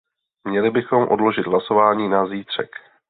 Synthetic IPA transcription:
mɲɛlɪbɪxo̞mʔodlo̞ʒɪd̪ɦlaso̞vaːɲiːnaziːt̪r̝̥ɛ̰k

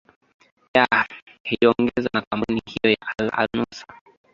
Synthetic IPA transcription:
ja | hiɔŋɡɛzanakampunihijɔjaʔala̰lnusa

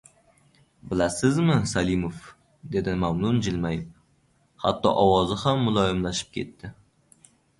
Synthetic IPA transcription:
bɪlasɪzmɪsalimof | d̪e̞d̪ɪmamnʊnd͡ʒɪlmaj | ha̰t̪ːɒ̰ʔɒwɒzɨhamːʊlˠɒjɪmlaʃɪ̥p̚kʲʰe̞̰t̪ʰːɪ

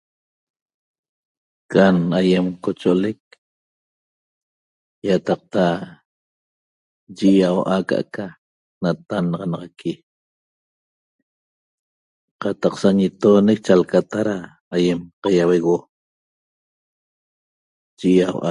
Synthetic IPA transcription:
kʰanajemkot͡ʃoʔolek̚ | jat̪ɑq̚t̪a | d͡ʒiʔjawʔaka̰ʔa̰ka | nat̪anɑʁɑnɑʁɑkʰi | qɑt̪ɑqsaɲet̪oːnek̚t͡ʃalkat̪aɾaː | jemqajaweɣo | ʒiʔjawʔa

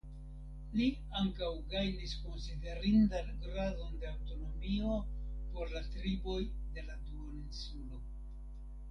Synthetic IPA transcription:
li | aŋkawɡajnisko̞nside̞ɾindanɡɾado̞nde̞awto̞no̞mio̞po̞ɾlatɾibo̞jde̞laduoninsulo̞

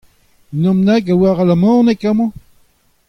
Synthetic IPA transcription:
nɔ̃mnakawaʁalamɑ̃ːnekamɑ̃

